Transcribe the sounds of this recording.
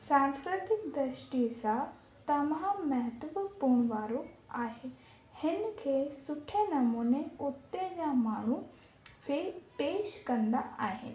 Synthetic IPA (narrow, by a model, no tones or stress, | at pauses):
sãːnskɾɪt̪ɪkd̪ɾɪʃʈisã | t̪ɐmãmɐɦət̪ʋəpuːɳ̃ʋaːɾoaːɦe | hɪnkʰeːsʊʈʰenɐmuːneʊt̪ːed͡ʑamaːɳ̤̃u | fʰepeːʃkɐ̃nd̪aaːɦɪ̰nɪ